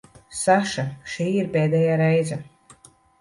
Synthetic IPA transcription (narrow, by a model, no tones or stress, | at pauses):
saʃaʃiːiɾpeːd̪ɛjaːɾɛjza